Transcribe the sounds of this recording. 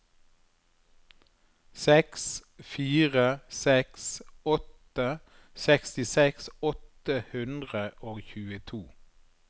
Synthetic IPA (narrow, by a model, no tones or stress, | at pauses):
sɛksfiːʁəsɛksɔt̪ | ə | sɛkst̪ɪsɛksɔt̪əhʉnd̪ʁəʔoːçʉːət̪ʰuː